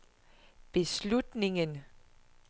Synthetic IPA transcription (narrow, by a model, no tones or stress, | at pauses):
b̥e̝slud̥ne̝ŋən